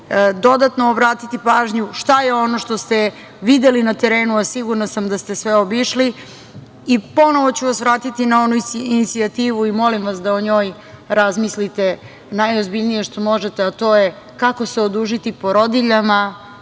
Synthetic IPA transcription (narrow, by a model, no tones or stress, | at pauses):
d̪o̞d̪at̪no̞ːbɾaːt̪it̪ipaːʒɲuʃt̪aje̞o̞no̞ʃt̪o̞st̪e | ʋid̪elinat̪eɾeːnuasiɡuɾnasamd̪ast̪e̞sʋeobiʃli | ipo̞no̞ʋo̞t͡ɕuʋasʋɾaːt̪it̪inaonuinit̪siat̪iːʋuimo̞limʋasd̪aoɲo̞ːj | ɾazmislit̪e | najozbiʎnije̞ʃt̪omo̞ʒet̪eat̪o̞ːje̞ | kako̞seod̪uʒit̪ipo̞ɾo̞d̪iʎama